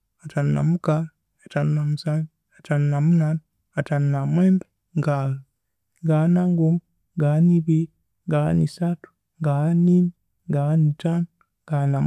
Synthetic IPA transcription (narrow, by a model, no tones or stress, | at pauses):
atanuna̰muka | atannamusani | atanːamunaːna | atannamweːmbe | ŋɡa | ŋɡanaŋɡumu | ŋɡaniβi | ŋɡa̰nisatu̥ | ŋɡaaniːni | ŋɡaanitan | ŋɡanam